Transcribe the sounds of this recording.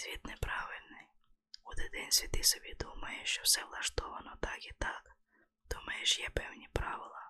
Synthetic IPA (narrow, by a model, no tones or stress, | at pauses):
sʲvʲit̪nɛpɾaʋɪlʲnɪj | ɔd̪ɛd̪ɛnʲsʲʋʲit̪ɪsɔbʲid̪umɐjɛʃt͡ʃɔfsɛvlˠɐʃt̪ɔʋɐnɔt̪akit̪ak | d̪̥umɐjɛʃjɛpɛwnʲipɾaʋɪlˠɐ